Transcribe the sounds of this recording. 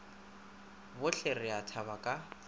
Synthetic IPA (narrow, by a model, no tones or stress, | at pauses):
bʊɬʰerɪatʰaβakʼa